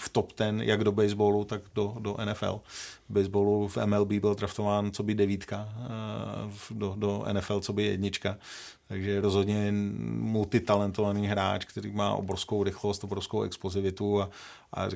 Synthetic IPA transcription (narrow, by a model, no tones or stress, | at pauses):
ft̪opt̪ɛnjʔa̰ɡdobɛjzbolut̪aɡdodoʔɛnɛfɛ̰lbɛjzbolufɛ̰mɛlbiːbɪld̪ɾaft̪ovaːnt͡sobɪdɛviːt̪ka | fdodoɛ̰nɛfɛlt͡sobɪjɛ̰dɲɪt͡ʃka | t̪aɡʒɛɾozɦodɲɛmult̪ɪt̪alɛnt̪ovaniːɦɾa̰ːt͡ʃkt̪ɛɾḭːma̰ːʔo̰bɾofskowɾɪxlost̪obɾofskowɛ̰ksplozɪvɪt̪ua | ʔa̰